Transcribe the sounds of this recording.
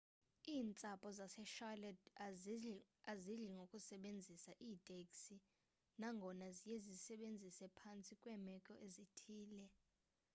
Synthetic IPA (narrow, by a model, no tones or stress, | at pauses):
iːnt͡sʼapʼɔzasɛʃalɛd | aziɮiŋɡʱokʼusɛɓend͡zʱisaʔiːtʼekʼsi | naŋɡʱɔnazijezisɛɓend͡zʱisɛpʰant͡sʼikʼwɛmɛkʼɔʔezitʰiːlɛ